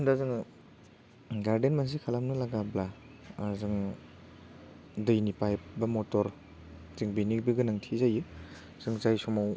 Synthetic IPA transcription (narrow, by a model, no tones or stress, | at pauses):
ndazɯŋ | ɡaɾdenmans̬ikʰalamnɯlaɡabla | zɯŋ | dɯjnipajbɐmɔtɔɾ | tiŋbinik̚biɡɯnɯŋtʰizajɯ | z̥ɯŋzajsɔmaw